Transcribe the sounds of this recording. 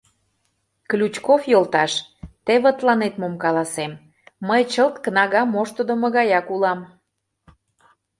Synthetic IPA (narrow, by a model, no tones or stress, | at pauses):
klʲut͡ɕkofjolˠt̪ɑʃt̪eβət̪lɑnet̪momkɑlɑsemː | əjt͡ɕəlt̪kənɑɣɑmːoʃt̪od̪omə̆ɣɑjɑkulɑm